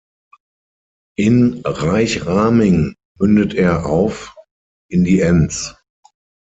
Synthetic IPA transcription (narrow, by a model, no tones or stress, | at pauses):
ʔɪnʁaɪçʁaːmɪŋ | mʏndətʰeːɐʔaʊf | ʔɪndiːʔɛnt͡s